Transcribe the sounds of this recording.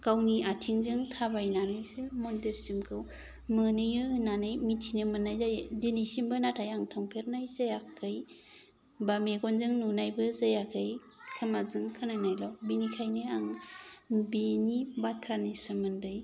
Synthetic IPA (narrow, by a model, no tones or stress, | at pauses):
kawniatʰiŋzɯŋtʰabajnanɯjsemɔndeɾsimkʰɯw | mɯnɯjɯnanɯjmitʰinɯmɯnːajzajdinisimbɯnatʰajaŋtʰɔŋpʰeɾnajzajakʰːɯj | bameɡɔnzɯŋnunajbɯzajakʰɯj | kʰɯmazɯŋkʰɯnanajlɔbinikʰajnɯaŋ | benibatʰɾanisɯmɯndɯj